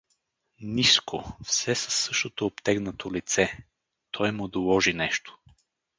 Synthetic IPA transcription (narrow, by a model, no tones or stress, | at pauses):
niskofsɛsɐsːɤʃt̪ot̪oːpt̪ɛɡnət̪ʰolit̪sɛ | t̪ʰɔjmʊd̪olˠɔʒinɛʃt̪o̥